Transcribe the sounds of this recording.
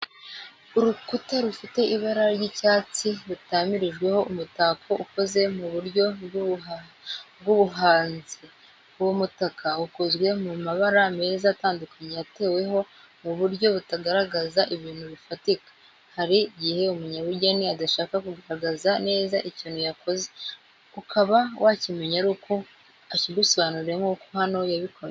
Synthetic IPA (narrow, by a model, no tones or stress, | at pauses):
uɾukutaɾufite̞iβaɾaɾɟicaːt͡siɾutaːmiɾiʒɡwe̞ho̞ʔumutaːkʰo̞ʔuko̞ze̞muβuɾɟo̞ | bɡuβuɦaːnzi | womutakʰauko̞zwe̞mumaβaɾame̞ːzaːtaːndukaɲejate̞ːwe̞ɦo̞ | muβuɾɟo̞βutaɡaɾaɡazaʔiβiːnhuβifatikḁ | haɾiɟihe̞umuɲaβuɟaniadaʃaːkakuɡaɾaɡazane̞ːzaʔiciːnhujako̞ze | ukʰaβawʔaːcimeɲaɾuko | aciɡuso̞βanuɾe̞ŋɡuːkohano̞jaβikʰoɾ